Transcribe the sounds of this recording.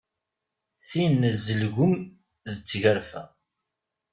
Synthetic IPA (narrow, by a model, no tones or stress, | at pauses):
θinːzːəlʝʊm | ðət͡sːʝəɾfæ̰